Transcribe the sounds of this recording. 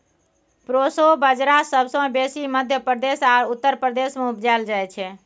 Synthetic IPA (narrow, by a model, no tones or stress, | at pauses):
pɾosobəd͡ʒɾasəbsə̃besiməd̪ʱjəpɾəd̪esaɾut̪ːəɾpɾəd̪esmẽupd͡ʒald͡ʒajt͡ʃʰɛ